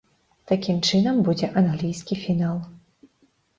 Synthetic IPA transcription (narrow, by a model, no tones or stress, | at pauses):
t̪akʲimt͡ʂɨnɐmbud͡zʲɛʔɐnɣlʲijskʲifʲinalˠ